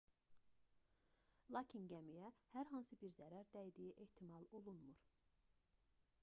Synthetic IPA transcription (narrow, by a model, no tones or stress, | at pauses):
lˠɑcʰinɟæmijæhæɾɦɑnsɯbiɾzæɾæɾd̪æjd̪ijiʔe̞ht̪ʰimɑlˠo̞lˠunmuɾ